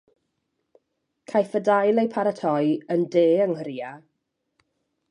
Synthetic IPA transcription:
kʰajfədajlˠejpʰaɾətʰɔjəndeːəŋhəɾia

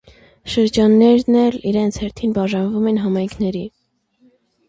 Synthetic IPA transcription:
ʃəɾd͡ʒɑnːɛɾnɛliɾɛnt͡sʰhɛɾt̪ʰinbɑʒɑnvumɛnɦɑmɑjŋkʰnɛɾi

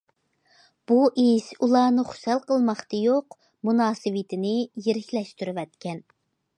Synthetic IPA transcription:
b̥uʔisulˠɑːnɨχʊ̥sɛlˠqəlˠmɑχt̪ɨjoq | munɑːsɨwɨt̪ʰɪnɪjeɾɪkʲlɛʃt̪yɾɪwɛt̪kʲɛn

